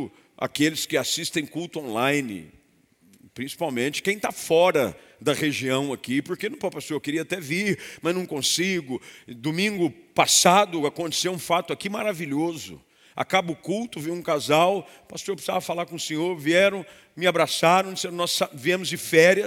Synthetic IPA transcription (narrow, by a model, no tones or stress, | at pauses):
a̰kelɪskɪasist̪ẽj̃kuwt̪ʊõlajnɪ̰ | pɾĩsi̥pawmẽnt͡ʃɪ̥kẽj̃t̪afɔɾɐd̪ɐʁeʒiɐ̃w̃akipoɾkenʊ̃papasoɾkeɾiɐat̪ɛviɾmɐznɐ̃w̃kõsiɡʊd̪omĩŋɡʊpasad̪ʊakõnt̪e̥sewũfat̪ʊakimaɾaviʎozʊ̰ | a̰kabʊkuwt̪ʊvĩwũkazaw | pasoɾpɾsavɐfalaɾkõʊsẽɲoɾviɛɾɐ̃w̃ | mɪabɾasaɾɐ̃d͡ʒɪsẽɾ̃nɔsaviẽmʊzd͡ʒɪfɛɾiɐ